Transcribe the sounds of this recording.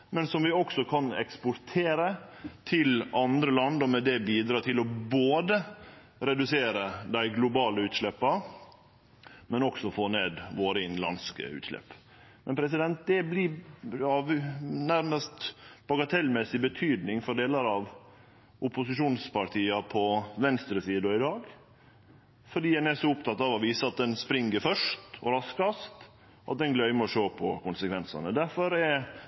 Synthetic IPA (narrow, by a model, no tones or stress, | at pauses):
mɛnsɔmʋɪɔksɔkʰɑnɛ̰kspɔɾt̪ʰeːɾət̪ʰɪlɑnd̪ɾəlɑnd̪ɔmɛd̪ɛbiːd̪ɾɑːt̪ʰɪlɔboːd̪ə | ɾɛd̪ʉseːɾəd̪æɪɡlʊbɑːləʉːt̪ʂlɛpːɑ | mɛnɔksɔfoːneːd̪ʋoːɾəɪnlɑ̰nskə̰ʉ̰ːt̪ʂlɛ̰pː | mɛnpʰɾɛs̬ɪd̪ɛnt̪̚d̪ɛblɪɑːʋnæɾməst̪b̥ɑɡɑt̪ʰɛlmɛsɪbət̪ʰyːd̪nɪŋfɔɖeːlɑɾɑʋ | ʔʊpʊsɪʂuːnspʰɑɾt̪ʰiːɑpʰɔʋɛnst̪ɾəsiːd̪ɔɪd̪ɑːɡ | fɔɖiːdɛnæsɔʊp̚t̪ʰɑt̪ːɑʋɔʋiːsəɑt̪̚d̪ɛnspɾɪŋːəɾfœʂtɔ̰ɾɑskɑst̪ | ʔɑt̪̚d̪ɛnɡlœʏməɔʂoːpʰɔ̰kʊnsəkʰʋɛnsɑ̰nəd̪æɾfɔɾɛ